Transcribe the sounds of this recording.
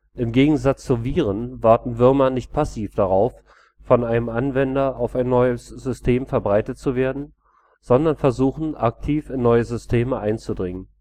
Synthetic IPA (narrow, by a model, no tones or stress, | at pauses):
ʔɪmɡeːɡŋ̩zat͡st͡suviːʁ̞ənvaɐtn̩vɪɐmɐnɪçt̚pʰasiːfd̥aʁaʊfː | ɔnaɪnəmʔanvɛndɐaʊfaɪnːɔʏəsz̥ʏstʰeːmfɛɐbʁaɪtət̚t͡suveːɐdn̩ | z̥ɔndɐnfɛɐzuːxn̩ʔak̚tʰiːfɪnːɔʏəzʏstʰeːməʔaɪnt͡sudʁɪŋən